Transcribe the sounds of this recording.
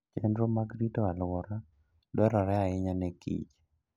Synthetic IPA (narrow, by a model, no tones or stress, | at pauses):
t͡ʃɛndɾomaɡɾitɔalwɔɾa | dɔɾɔɾɛaɪɲanɛkḭt͡ʃ